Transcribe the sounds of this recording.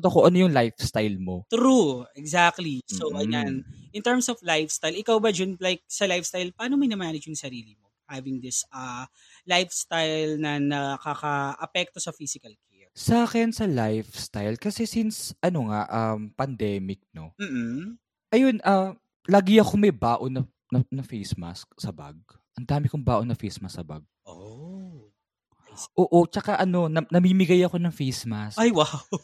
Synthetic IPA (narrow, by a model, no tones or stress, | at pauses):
t̪okoʔɐnojʊŋlajfst̪ajlmo̞t̪ɾuɛɡzak̚t̪lisowʔɐjanʔɪnt̪ɛɹmsɔflajfst̪ajlɪkawbɐd͡ʒʊnlajk̚sɐlajfst̪ajlpaːnomɐjnɐmaːnɐd͡ʒjʊŋsɐɾiːlɪmohavɪŋd̪ɪsɐ | lajfst̪ajlnɐnɐkɐkɐʔɐpɛk̚t̪osɐfisɪkɐlkɛɹsaːkɛnsɐlajfst̪ajlkɐsɛsinsʔɐno̞ŋaʔɐmpɐnd̪ɛːmɪk̚no̞m̩ːh̩ | ʔɐjo̞nʔɐ | laːɡɪɐko̞mɐjbaːʔo̞nɐ | nɐnɐfejsma̰sksɐba̰ɡ̚ | ʔɐnd̪aːmɪkoŋbaːʔo̞nɐfɛjsmɐsɐba̰ɡ̚ | o | ʔoːʔo̞t͡ʃɐkaʔɐno̞nɐnɐmiːmɪɡajɐko̞nɐŋfejsmasajwaw